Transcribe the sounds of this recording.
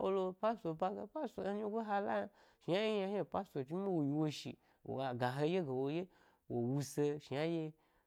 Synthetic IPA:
wo̰˦lo˧pa˦so˧˨ba˧ɡa˧pa˦so˨e˦ɲi˦ɡʷo˦ɦa˦la̰˦ja˧ | ʃi˨ja˦je˦ja˧ha˦pa˦so˨t͡ʃi˦ma˦wo˨ji˨wo˧ʃḭ˨ | wo̰˨a˨ɡa˨ɦe˧je˦ɡe˨wo˧je˦ | wo˨wu˧se˧ʃi˨a˦je˧

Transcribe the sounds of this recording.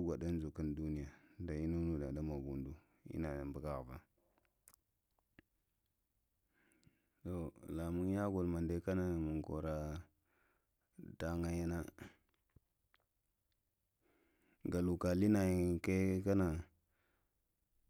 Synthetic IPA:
ɡʷa˨da˦n˦d͡ʒu˨ki˦ndu˦ni˦ja˨da˨i˦nu˦nu˦˨da̰˨da˦ma˨ɡṵ˨ndu˦ | ḭ˦na˨mbə˦ka˦˨ɣva̰˦ | to˨la˨mu˦ŋ˦ja˦ɡo˨lma˨nde˦ka˦na˨mu˨ko̰˨ɾa˦ | da˨ŋa˨ja˦na˦ | ɡa˨lu˨ka˨li˦na˨ji˨ka˦ka˦na˨

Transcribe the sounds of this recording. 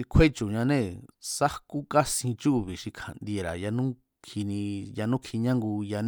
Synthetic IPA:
i˧kʷʰwe˦t͡ʃu˨ɲã˧nẽ˦˨sa˦ku˦ka˦sĩ˧t͡ʃu˦˧˨βi˨ʂi˧kʰa̰˨nd̪i˧e˧ɾa̰˨ja˧nũ˦ | kʰi˧nĩ˧ja˧nũ˦kʰi˧ɲã˦ŋɡu˧ja˧n

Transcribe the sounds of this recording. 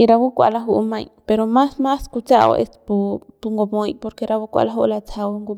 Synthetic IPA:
i˧ɾa˧βu˦kʷa̰˧la˧ɦu˧ʔu˧mã˧jpe˧ɾo˧mã˦smã˦sku˧t͡sa˦ʔo̰˧ʔḛ˧st̪pu˧pu˧ŋɡo˧mõ˧jpo˧ɾke˧ɾa˧βu˦kʷa̰˧la˦ɦu˦ʔla˧t͡sʰa˧wu˧ŋɡu˧

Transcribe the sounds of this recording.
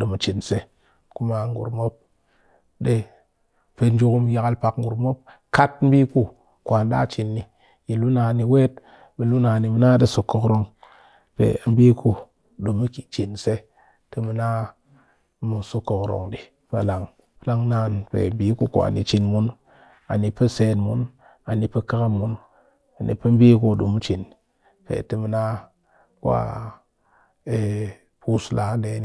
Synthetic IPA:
do˨mu˨t͡ʃi˨nse˦ | ku˦ma˨˦ŋɡṵ˨ɾmo˦p̚ | ɗe˦ | pe˨n˦d͡ʒu˦ku˦m˨ja˨ka˦lpa˨kŋ̩˦ɡu˨ɾmo˦p̚ | ka˦t̚m̩˦bi˦ku˦ | kwa˨nda̰˦t͡ʃi˨nːi˨ | ji˨lu˦na˨ni˨we˦t | bi˨lu˦na˨ni˨mi˨na˦de˦so˨kːo˨kɾo˨ŋ | pḛ˨˦m̩˦bi˦ku˦ | ɗo˨mi˦ki̥˨t͡ʃi˨nse˦ | te˦mi˨na˦ | mu˨su˦ko˨kɾo̰˨ŋdi˨ | pe˨la˨ŋ | pə˦la˦ŋna˦˨npḛ˨m˦bi˦ku˦kṵ˨a̰˨ni˨t͡ʃi˨nmu˦n | a˨ni˨pə˦se˨nmu˦n | a˨ni˨pe˦ka˦ka˦mu˦n | a˨nḭ˨pə˦mbi˦ku˦˨ɗu˨mu˦t͡ʃi˨n | pḛ˨ti˦mi˨˦na˦ | ku˦a̰˦ | e˨ | pu˦sla˨˦nde˦ni˨

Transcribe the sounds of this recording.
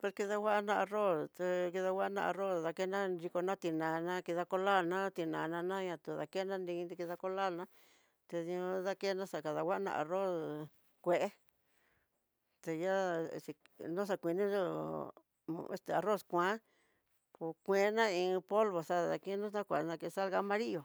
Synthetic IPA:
pe˧ɾki˧ða˧wa˦nã˦˧a˧ro˦st̪e˧ki˧ða˧wa˦nã̰˧a˧ro˦sða˧ke˦nã˦ɾi˧ko˧nã˦t̪i˧nã˨nã˦ki˧ða˧ko˧la˦˨lnã˦t̪i˧nã˨˧nã˧nã˦ɲã˧t̪u˨ða̰˧ke˦nã˦ndĩ˧d̪i˧ki˧ða˧ko˧la˦˨lnã˦ | t̪e˧ði˧õ˧ða˦ke˦nã˦sa˧˨ka˧ða˧wa˦nã̰˧ʔa̰˨ro˦˨s | kʷe˧ʔe˦ | t̪e˧ja̰˦˧si˧nũ˦s̬a˧kʷi˧nĩ˦o˦˧ | ḛ˧st̪e˧a˨ro˦˨skʷã˦ | pu˧kʷẽ˧˦nã˦ĩ˧po˦lβo˨sa˦ða̰˧ki˦nũ˦ã˦kʷa˨˧˨nã˧ke˧sa˦lɣa˧mã˧ɾi˦jo˨

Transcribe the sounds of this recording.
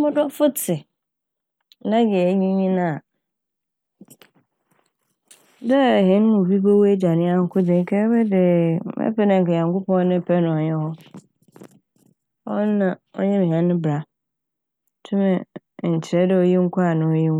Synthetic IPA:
mʊ̃˦dɔ˦fʊ˦tʰɪ˨ | la˦ɡɛ˨˦ɲĩ˦ɲĩ˦nã˦˨ | dɛ˦˨ɦɪ̃˨˦n˦mʊ̃˨bi˦bo˦wo˦e˦d͡ʑa˨nɪ̃˦a˦ŋ̩˦kʰʊ˦dɪ̃˨ŋ˦kʰɛ˦bɛ˦dɪ˨mɛ̰˦pʰɛ˦nã˨kɛ˨ɲã˨ŋkʊ˦pɔ̃˦nɪ̃˦˨pʰɛ˦nʊ̃˨ɔ˨ɲɛ̃˦hɔ˦ | ɔ˦nã˨ɔ̰˦ɲɛ̃˦mĩ˨hã˦nːɪ̃˦bɾa˨˦ | tʰʊ˦mɛ̃˨ | ɲ̩˨t͡ɕʰɪ˨ɛ˦dɪ˦˨ɔ˦ji˦ŋ̩˦kʰa˨nʊ̃˨˦ji˦

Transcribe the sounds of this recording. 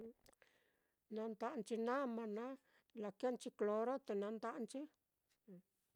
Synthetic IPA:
nã˧nt̪a˧ʔnt͡ʃi˧nã˦mã˧nã˦ | la˧knt͡ʃi˧klo˧ɾo˦t̪e˨nã˧˦nt̪a˦ʔnt͡ʃi˦˨

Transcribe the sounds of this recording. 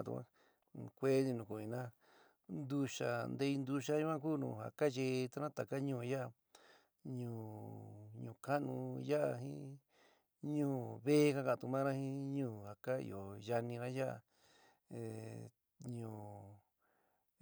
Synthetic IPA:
ṵ˧kʷã̰˧ | kʷe˦ni˧nũ˨ku˨ĩ˧˨nã˦ | nd̪u˧ʃa̰˨nd̪e˧i˧nd̪u˧ʃa˦ju˦ã˦kuː˦nṵ̃ː˧˨ha̰˨ka˦ʒe˧˨˧t̪a˧nã˦t̪a˨ka˦ɲũː˧˨˧ja˦a˧ | ɲũː˨ | ɲũː˨ka˦nũ˧ja˦a˧ɦḭ̃˦ | ɲũː˦βe˦ka˧kã˨t̪u˧mã˦ɾã˦hĩ˦ɲũː˦˨ha˨ka˦ḭ˧o˨ja˧nĩ˧ɾã˦ja˦a̰˧˨ | ɲũː˧˨

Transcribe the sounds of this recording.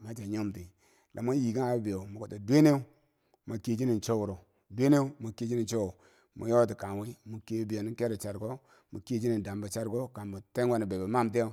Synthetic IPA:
ma˨˦t͡ʃa˨ɲo˦mti˨ | lʔa̰˨ma˦ji˨ka˦ŋa˨˦bi˨jo˨mu˨ko˨ta˨dʷe˦ne˦u˦ | ma˨ke˨d͡ʒi˦ni˨nt͡ʃo˦wu˨ɾo˨ | dʷe˦ne˦u˦ma˨ke˦˨d͡ʒi˦ni˨nt͡ʃo˦wo˨ | mṵ˨jo˦ti˨ka˨nwi˦mu˨ke˨˦bi˨o˨ni˦ke˦ɾe˨t͡ʃa˨ɾko˦ | mu˨ke˦d͡ʒi˦ni˨n˨da˨mba˨t͡ʃa˦ɾko˦ka˨nbu˨te˦ŋwa˦ni˨be˨ba˨ma˦mt̬e˦o˦˨

